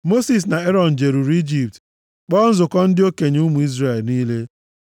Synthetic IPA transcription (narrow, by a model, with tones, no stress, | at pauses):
mo˦si˨s̬na˨e˦ɾɔ˨n̩˨d͡ʒe˨ɾu˨ɾi˦d͡ʒi˨p̚t | k͡pɔ˦n̩˦zʊ˨kɔ˦n̩˦dɪ˦o˦ke˨ɲ˦u˦mu˨i˦zre˨lniː˦le˦